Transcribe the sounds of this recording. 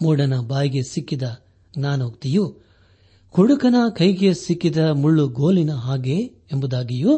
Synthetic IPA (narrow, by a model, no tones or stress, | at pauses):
muːɽɐnɐbaːjɡe̞sikːid̪ɐ | ɡnaːnoːkt̪iju | kuɽukɐnɐkɐjɡe̞sikːid̪ɐmuɭːuɡoːlinɐɦaːɡe̞ | embud̪aːɡiju